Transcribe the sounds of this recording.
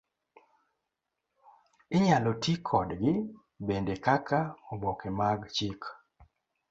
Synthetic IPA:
ɪɲalɔtikʰɔdɡɪ | bendekakʰaɔbɔkemaɡt͡ʃik

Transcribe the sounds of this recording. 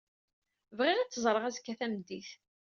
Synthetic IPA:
vʁɪʁæt͡sːəzˤɾˤəʁæzkːæθæmd̪iθ

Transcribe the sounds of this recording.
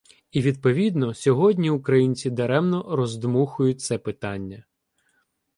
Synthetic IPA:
iʋʲid̪̚pɔʋʲid̪nɔsʲɔɦɔdʲnʲiukɾɐjinʲt͡sʲid̪ɐɾɛmnɔɾɔzd̪muxʊjʊt̚ʲt̪sɛpɪt̪ɑnʲːɐ

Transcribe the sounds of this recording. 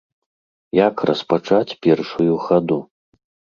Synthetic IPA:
jakrɐspat͡ʂat͡sʲpʲɛrʂujuxad̪u

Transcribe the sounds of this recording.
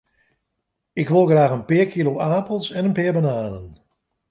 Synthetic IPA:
ɪkʋolˠɣraːɣənpɪːərkʰiloʔaːpəlˠsɛnənpɪːɹbanaːnən

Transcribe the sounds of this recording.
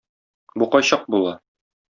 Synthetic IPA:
buqɒjɕɑq̚bulˠɑ

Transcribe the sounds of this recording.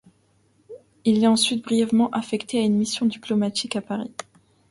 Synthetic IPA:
ilɛɑ̃sɥit̪̚bʁijɛvmɑ̃ʔafɛkt̪eaynmisjɔ̃d̪iplɔmat̪ʰikapaʁi

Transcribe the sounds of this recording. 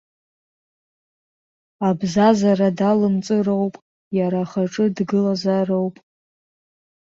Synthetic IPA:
abzazaradalɨmt͡sʼɨrowpʼ | jaɾaχaʈ͡ʂʼɨdɡɨlazarowpʼ

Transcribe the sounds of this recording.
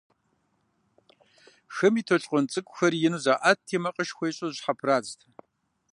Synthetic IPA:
xɨmiːtʰoɬʼqʷʼɔnt͡sʼɨkʷʼʊxɐrjɪnuzaːʔatʰːeːmɐqʼəʃxʷɐjɕʼɐʑħapʰraːztʰɐ

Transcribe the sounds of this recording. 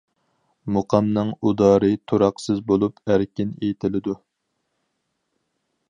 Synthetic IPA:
muqʰɑmnɨŋud̪ɑːɾɨt̪ʰuɾɑqsɨzbolˠupæɾkʲinejt̪ʰɪlɪd̪u

